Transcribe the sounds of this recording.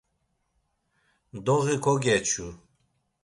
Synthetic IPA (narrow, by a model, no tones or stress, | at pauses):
d̪ɔɣikʰɔɡɛt͡ʃʰu